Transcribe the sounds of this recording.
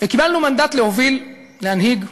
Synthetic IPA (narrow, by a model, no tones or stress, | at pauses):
vekibalnumand̪at̪le̞ovil | lehanhiɡ